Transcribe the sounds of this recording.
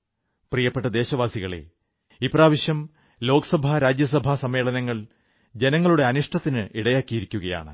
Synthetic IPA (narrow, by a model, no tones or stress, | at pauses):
prijɐpːeʈːɐd̪e̞ːɕɐʋaːsiɣɐɭḛ | ipraːʋiɕjɐm | lo̞ːkɐ̥sɐbʱaɾaːd͡ʑjɐs̬ɐbʱasɐme̞ːɭɐnɐŋːɐɭ | d͡ʑe̞nɐŋːɐɭuɽe̞ɐnuʂʈɐt̪ːinɨʔiɽɐjaːkːijiɾikʲːuɣɐja̰ːɳɨ̰